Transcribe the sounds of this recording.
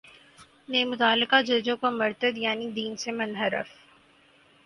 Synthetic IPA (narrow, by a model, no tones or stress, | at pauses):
neːmʊt̪aːlːɪkad͡ʒɐd͡ʒõkomɐɾt̪əd̪jaːnid̪iːnsemɐnɦəɾə̰f